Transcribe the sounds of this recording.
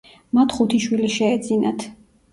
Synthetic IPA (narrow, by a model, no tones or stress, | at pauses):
mat̪ʰχut̪ʰiʃwiliʃɛːd̪zinat̪ʰ